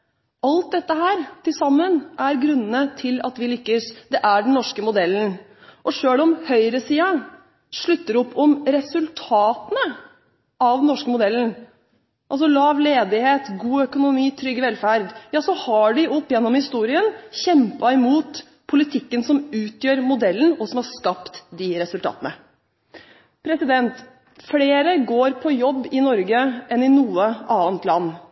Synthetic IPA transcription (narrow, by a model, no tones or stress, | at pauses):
ʔɑlt̪̚d̪ɛt̪ːəɦæːɾt̪ʰɪlsɑmːənʔæɾɡɾʉnːənət̪ʰɪlɑ̰t̪ʋɪlʏkːəsd̪ɛʔæɖɛn̩nɔʂkəmʊd̪ɛlːn̩ | ʔɔʂøːlɔmhœʏɾəsiːɑ | ʂɭʉt̪ːəɾɔpːɔmɾɛsʉlt̪ʰɑːt̪ənə | ɑʋ̪nɔʂkəmʊd̪ɛlːn̩ | ʔɑls̬ɔlɑːʋleːd̪ɪheːt̪ɡuːœkʊnʊmiːt̪ʰɾʏɡːəʋɛlfæɾd̪jɑːsɔhɑɖɪʔɔpːjɛnːɔmhɪst̪uːɾɪənçɛmpɑɪmuːt̪ | pʰːʊlɪt̪ʰɪkːənsɔmʉːt̪jøːɾmʊd̪ɛlːən̩ɔsɔmhɑʂkɑpt̪d̪ɪɾɛsʉlt̪ʰɑ̰ːt̪ənə | pʰɾɛsɪd̪ɛnt̪ | fleːɾəɡoːɾpʰɔjɔbːɪnɔɾɡəʔɛnɪnuːəʔɑːnt̪lɑnː